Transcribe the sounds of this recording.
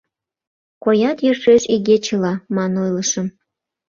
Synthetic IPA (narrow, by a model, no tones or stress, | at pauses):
kojɑt̪jørʃeʃiɣet͡ɕəlɑmɑnojləʃəm